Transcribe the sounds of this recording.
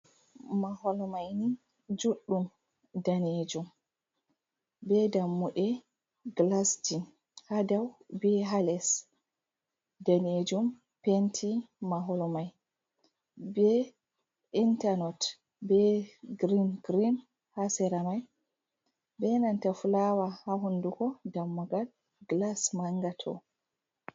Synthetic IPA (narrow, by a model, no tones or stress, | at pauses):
mahɔlɔmajni | d͡ʒuɗːum | daned͡ʒum | bɛdamːuɗɛ | ɡlasdin | hadawbɛɦalɛs | daned͡ʒum | pentʰi | maɦɔlɔmaj | bɛ | intanɔt | bɛɡɾinɡɾin | hasɛɾamaj | bɛnantafulawahaɦundukɔdamːuɡal | ɡlasmaŋɡatʰɔ̰